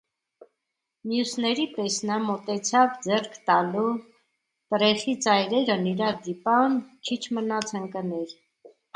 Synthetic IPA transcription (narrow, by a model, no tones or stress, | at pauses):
mjusnɛɾipɛsnɑmɔt̪ɛt͡sʰɑvd͡zɛrkʰt̪ɑlu | t̪əɾɛχit͡sɑjɾɛɾəniɾɑd̪ipɑnkʰit͡ʃʰmənɑt͡sʰəŋkənɛɾ